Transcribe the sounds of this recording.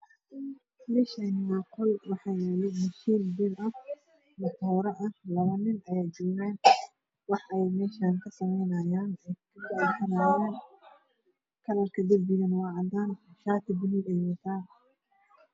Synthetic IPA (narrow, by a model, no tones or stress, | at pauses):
bɪʃanmaːqʊlwɑħɑːjɛlɪmʊʃiːnbɪlɐ | mɐt̪ʰɔːɾɐʔɐhlɐβɐnɪnʔɐjaːjd͡ʒɔːɣaːn | wɑħʔɛjmɛːʃaːnkʰɐsɐmɛjnɐjaːnɛjkʰɐɡɐʕd̪sɐnɐjaːn | kʰɐlɐrkʰɐd̪ɐlbɪjɐnwɑːʕɑd̪aːnʃaːt̪ʰɪbɪniɡɐjɛt̪ʰaː